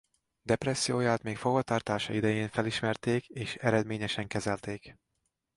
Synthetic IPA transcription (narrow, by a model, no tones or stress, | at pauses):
d̪ɛprɛsːijoːjaːt̪meːkfoɡvɒt̪aːrt̪aːʃɒ̰id̪ɛjeːɱfɛliʃmɛrt̪eːkeːʃɛɾɛd̪meːɲɛʃɛŋkɛzɛlt̪eːk